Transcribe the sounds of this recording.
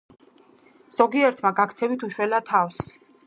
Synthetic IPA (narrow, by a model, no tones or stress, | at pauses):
z̥ɔɡiɛɾt̪ʰmaɡakʰt̪sʰɛvit̪ʰuʃwɛlat̪ʰafs